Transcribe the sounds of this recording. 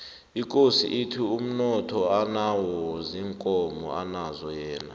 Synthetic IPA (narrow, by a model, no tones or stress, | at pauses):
ikʼosḭʔitʰium̩nɔtʰɔanawɔziŋkʼɔmɔ̰anazɔjɛːna̰